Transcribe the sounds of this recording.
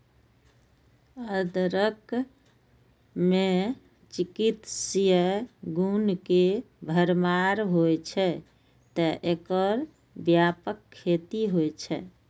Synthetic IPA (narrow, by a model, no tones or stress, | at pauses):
əd̪ɾək | mẽ | t͡ʃikit̪sjəɡunke | bʱəɾmaɾɦojt͡ʃʰɛ | t̪əʔekəɾ | bjapəkʰːet̪iɦojt͡ʃʰɛ̰